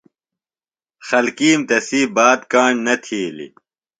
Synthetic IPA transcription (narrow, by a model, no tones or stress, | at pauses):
xɐlkiːmt̪ɐsiːbaːd̪kaːɳnɐt̪ʰiːlḭ